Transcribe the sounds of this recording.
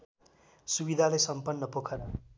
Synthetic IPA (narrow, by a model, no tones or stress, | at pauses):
subid̪ʱalesʌmpʌnːʌpokʰʌɾʌ